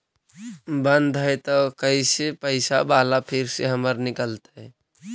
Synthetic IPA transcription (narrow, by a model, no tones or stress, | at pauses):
bənd̪ʱɦet̪ɔkəisepəɪsabalapʰɪɾseɦəməɾnɪkəlt̪eɦɛ